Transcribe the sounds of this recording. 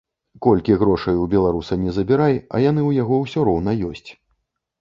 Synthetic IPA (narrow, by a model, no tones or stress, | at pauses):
kɔlʲkʲiɣɾɔʂɐjubʲɛlˠaɾusɐnʲɛzɐbʲiɾajɐ̰jan̪ɨwjaɣɔwsʲɔɾɔwn̪ɐjɔsʲt͡sʲ